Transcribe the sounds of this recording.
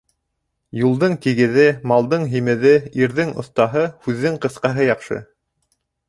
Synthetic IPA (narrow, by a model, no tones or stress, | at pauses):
julˠd̪ɤɴt̪iɡɘ̆ðɘmɑlˠd̪ɤɴɦimɘ̆ðɘiɾðɘŋŏθt̪ɑɦɤhʉðːɘŋqɤ̆θqɑɦɤjɑqʃɤ̰